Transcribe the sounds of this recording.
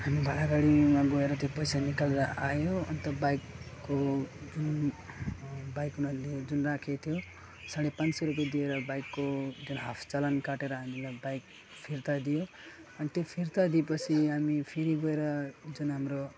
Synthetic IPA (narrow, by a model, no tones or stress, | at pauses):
ɦamibʱalaɡaɽimaɡʌeɾʌt̪jopʌjsanikald̪aʔajoʌ̰nit̪ʌbajkːod͡zun | bajkunaled͡zunrakʰet̪ʰjo | saɽepãnt͡sʌɾuk̬ed̪ieɾʌbajkːod͡zunɦapʰt͡salʌnkaʈeɾʌɦamilajbajk̚ | pʰirt̪ad̪ijo | ʌnit̪jopʰirt̪ad̪iepʌt͡sʰiɦamipʰiɾiɡoeɾʌd͡zunɦamro